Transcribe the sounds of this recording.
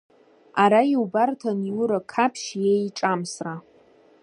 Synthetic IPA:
aɾajiwbartʰaniuɾakʰapʰʃjejʈ͡ʂʼamsra

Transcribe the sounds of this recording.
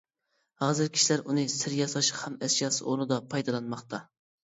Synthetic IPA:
hɑːzɪɾkʲʰi̥ʃilæɾunɨsɪɾjɑsɑʃqhɛmɛsjɑsɨʔoɾnɨd̪ɑpʰɑjd̪ɑlˠɑnmɑχt̪ɑ

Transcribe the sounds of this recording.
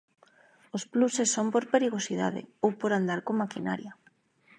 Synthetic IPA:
osplusesːompoɾpeɾiɣ̞osiða̰ðḛowpoɾand̪aɾkomakina̰ɾja

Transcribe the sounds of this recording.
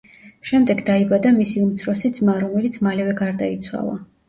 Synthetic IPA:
ʃɛmd̪ɛɡd̪aibad̪amisiumt̪sʰɾɔsid̪zmaɾɔmɛlit̪sʰmalɛvɛɡaɾd̪ait̪sʰwa̰lˠa̰

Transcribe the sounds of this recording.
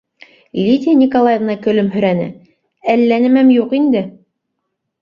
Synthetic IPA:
ilʲit̪ʲijanʲikolˠajevnɑkɵ̆lɵmɦɵ̆ɾænɘ̰ | ælːænɘ̆mæmjuqind̪ɘ

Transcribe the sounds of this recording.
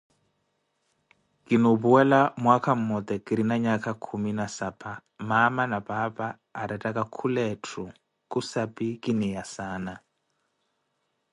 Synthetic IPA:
kʼinobuwɛlamwakʰam̩mɔt̪ɛkʼiɾinaɲakʼakʰuminasapʰʼamamanapapaːɾatʼakʼakʰulɛtʰu | kʼusapʼikʼinɛjasaːna

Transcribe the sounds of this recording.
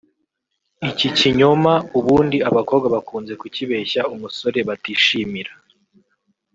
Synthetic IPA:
iciciɲomauβuːndiaβako̞ːbɡaβakuːnze̞kuciβe̞çaumuso̞ɾe̞βatiːʃiːmiɾa

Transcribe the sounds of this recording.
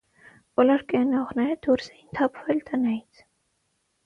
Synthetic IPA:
b̥ɔlɔɾkɛɑnɑɔʁnɛɾəd̪ʰuɾsɛjint̪ʰɑpʰvɛlt̪ʰənɑjit͡sʰ

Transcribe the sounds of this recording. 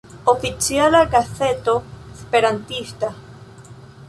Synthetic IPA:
ofit͡sjalaɡaθet̪oespeɾant̪ist̪a

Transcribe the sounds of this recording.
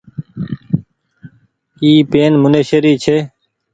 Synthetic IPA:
iːpeːnmʊneːʃəɾiːt͡ʃʰeː

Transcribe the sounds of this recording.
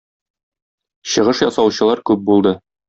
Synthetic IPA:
ɕɤ̆ʁɤʃjɒsɑwɕɤ̆lˠɑɾkʉp̚bulˠd̪ɤ

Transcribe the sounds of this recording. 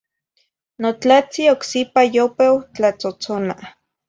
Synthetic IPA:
not͡ɬat͡sioksipajopewt͡ɬat͡sot͡sona

